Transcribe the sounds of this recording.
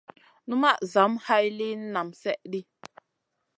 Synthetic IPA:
nu˦ma˦˨ʔza˨˦mha˦jli˦n̩˦na˨msɛ˦ʔli˦

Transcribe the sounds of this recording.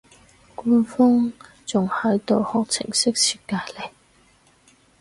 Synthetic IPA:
ku˥nfɔ˥ŋ | t͡sʊ˨˩ŋhɐ˨˥jt̪o˨whɔ˨k̚t͡sʰɪ̰˨˩ŋsɪ˥k̚t͡sʰiː˧t̚kaː˧jle˨˩j

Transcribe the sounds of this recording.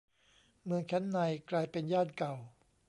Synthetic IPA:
mɯ˧əŋkʰɛ˦˥nːa˧jklaː˧jpe˧njaː˥˩nka˨˩w

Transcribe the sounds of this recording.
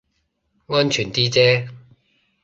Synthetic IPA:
ŋɔː˥nt͡ʃʰyː˨˩nt̪iː˥t͡sɛː˥

